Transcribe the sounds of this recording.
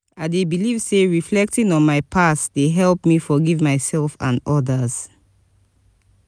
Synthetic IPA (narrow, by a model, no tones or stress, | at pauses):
aɪdebilivseɹiflɛk̚tĩŋɔ̃nmaɪpʰasd̥eɦɛlpmifɔɡivmaɪsɛlˠfã̰nɔdəz̥